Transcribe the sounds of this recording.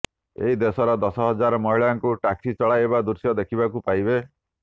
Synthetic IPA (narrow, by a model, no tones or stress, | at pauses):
ḛɦid̪esɔɾɔd̪ɔsɔɦɔd͡ʒaɾɔmɔɦiɭaŋkuʈaksit͡ʃɔɭajebad̪uɾsjɔd̪ekʰibakupajbe